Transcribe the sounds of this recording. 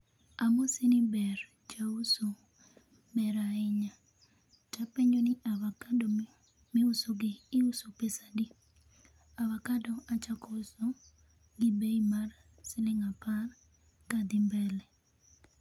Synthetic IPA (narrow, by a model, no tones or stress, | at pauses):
amosɪnɪbɛr | t͡ʃauso | mɛɾaɪɲa | tapɛɲonɪʔawakadɔ | mɪʊsoɡɪːusopesadi | awakadɔat͡ʃakɔso | ɡɪbeimar | sɪlɪŋapar | kad̪ɪmbɛlɛ